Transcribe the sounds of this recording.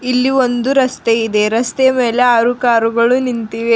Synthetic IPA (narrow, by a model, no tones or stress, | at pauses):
ilːio̞nd̪uɾɐst̪eid̪e̞ɾɐst̪eɐmeːle̞aːɾukaːɾuɡɐɭunint̪iʋe